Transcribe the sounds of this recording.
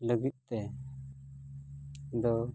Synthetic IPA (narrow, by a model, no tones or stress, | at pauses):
ləɡit̪̚t̪ɛ | d̪ɔ